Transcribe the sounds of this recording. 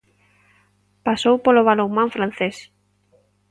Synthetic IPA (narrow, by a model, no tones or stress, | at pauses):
pasowpoloβ̞aloŋmãɱfɾan̟θes